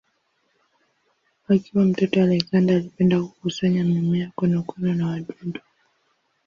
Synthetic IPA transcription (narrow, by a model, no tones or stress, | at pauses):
akiwam̩tɔtɔwalɛzandaːlipɛndaku̥kusaɲamimijakɔnakwɛnɔnawaɗɔdɔ